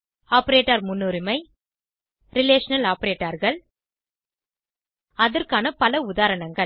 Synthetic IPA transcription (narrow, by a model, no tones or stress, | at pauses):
aːpɐɾeːʈːɐɾmʊnːuːɾɪmɐɪ | ɾɪleːʂɐnɐlaːpɐɾeːʈːɐɾɣɐɭ | ɐðɐɾkaːnɐpɐlɐʊðaːɾɐɳɐŋɡɐ